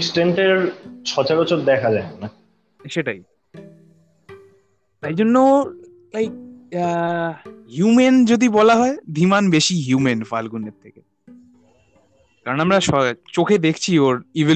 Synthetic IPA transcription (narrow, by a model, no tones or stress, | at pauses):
ksʈeɳʈeɾt͡ɕʰɔt͡ɕaɾot͡ɕoɾd̪ɛkʰad͡ʑaena | ʃeʈaj | t̪ajd͡ʑonːo | lajk̚ | hjumend͡ʑod̪ibɔlaɦɔed̪ʱimanbeʃiɦjumenfa̰lɡunːeɾt̪ʰeke | k̪aɾonamɾaʃɔt͡ɕokʰed̪ekʰt͡ɕʰioɾivi